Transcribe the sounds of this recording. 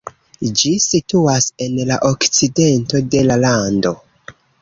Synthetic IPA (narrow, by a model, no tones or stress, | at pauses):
d͡ʒisituase̞nlaʔokt͡side̞nto̞de̞lalando̞